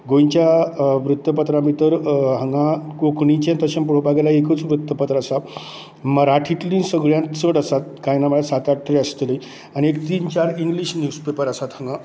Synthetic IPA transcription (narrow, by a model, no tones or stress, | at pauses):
ɡõjɲt͡ɕjaʋɾut̪ːəpət̪ɾãmit̪əɾɦəŋɡãkokʰɳĩt͡ɕãnt̪əɕampuɽ̤opaɡalaekət͡sʋɾut̪ːəpət̪ɾəəsa | məɾaʈʰiʈlĩnsəɡɭjãt̪t͡səɽəsat̪̚kajnaməɭasat̪aʈʰːɾeəst̪ləj | añiekt̪iːnt͡ɕaɾiŋɡliɕnjuspepəɾəsat̪həŋɡã